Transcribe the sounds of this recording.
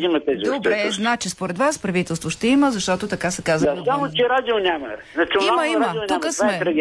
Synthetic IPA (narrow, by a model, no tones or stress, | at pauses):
imɐt̪ɛzid̪obɾɛznat͡ʃɛspoɾɛd̪vaspɾɐvit̪ɛlˠst̪voʃt̪ɛiməzɐʃt̪ɔt̪ot̪ɐkasɛkazəasamot͡ʃɛɾad̪ʲilnʲamɐ | nat͡ʃiməimət̪ukəsmɛɾɛɡʲ